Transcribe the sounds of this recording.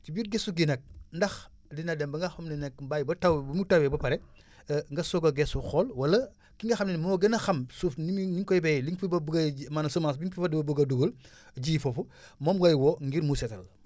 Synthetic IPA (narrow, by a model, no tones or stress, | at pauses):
t͡ʃibjuːt̚ɡesuɡinɐk̚ndɐx | dinɐdɛmbɐŋɡɐxɐmnɛnɛkbajbɐtawbɐmutawebɐpɐɾɛ | ŋɡɐsoɡɐɡesuxɔlwɐlɐ | kiŋɡɐxɐmninɛmɔɔɡɐnɐxɐmsufniniŋkojbejliŋfibɐbuɡɐmanɐsomasbiŋfifɐdibɐbuɡɐduɡul | ɟiːfofu | momɡɐjwoŋɡiɾmusɛtɐl